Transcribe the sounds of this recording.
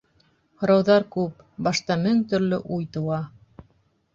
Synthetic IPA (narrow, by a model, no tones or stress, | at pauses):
hŏɾɑwðɑɾkʉp | bɑʃt̪ɑmɵŋt̪ɵ̆ɾlɵʔujt̪ŏwɑ